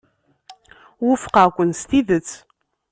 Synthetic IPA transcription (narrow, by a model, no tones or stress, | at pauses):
wʊfə̥qəkʷːənst̪iðət͡sː